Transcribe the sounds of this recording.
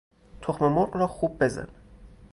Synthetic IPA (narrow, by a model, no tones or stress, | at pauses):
t̪ʰoxmemoɾɢrɒːxuːb̚ːe̞zæ̰n